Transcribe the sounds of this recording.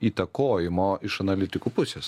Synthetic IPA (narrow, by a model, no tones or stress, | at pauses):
iːt̪ɐkoːjɪmoːɪʃɐnɐlʲɪt̪ʲɪkuːpʊsʲeːs